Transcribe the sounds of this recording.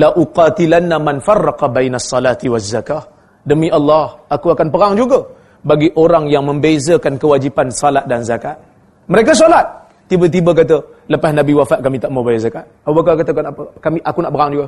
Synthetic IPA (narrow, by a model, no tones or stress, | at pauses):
laʔuqɑt̪ilanːamanfarːɑqɑbajnasˤːɑlat̪iwazːakah | dəmĩʔɑlːɑhakuakanpəɾaŋd͡ʒuɡə | baɡiʔoɾaŋjaŋmə̃mbezəkankəwad͡ʒipansalat̪̚danzakat̪̚ | məɾek̬as̬olat̪̚ː | ibət̪̬ibək̬at̪̬ə | ləpasnãbiwafaʔ̚kamit̪aʔmawbajazakat̪̚aabak̬akat̪akanapəkamiʔakunaʔpəɾaŋd͡ʒuɡə